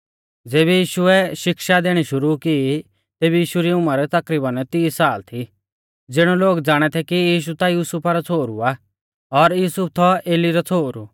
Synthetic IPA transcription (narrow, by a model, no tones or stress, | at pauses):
d͡zeːbɛjiːʃʊɛʃɪkʃad̪eːɽ̃iʃʊɾuki | t̪eːbijiːʃuɾiʊmaɾɛt̪ɐkɾiːbanɛt̪iːsaːlt̪ʰi | d͡zɪɽ̃ɔloːɡd͡zaːɽ̃ɛt̪ʰɛkijiːʃ̬ut̪ajuːsʊpaɾɔt͡sʰoːɾṵa | ɔɾjuːsʊp̚ʰt̪ʰɔeːliɾɔt͡sʰoːɾu